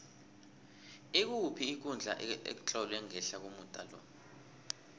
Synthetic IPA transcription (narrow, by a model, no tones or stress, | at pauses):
ek̬upʰiːk̬und͡ɮʱa̰ʔḛk̬u̥t͡ɬʼɔlwɛŋɛɬak̬umutʼa̰lɔ̰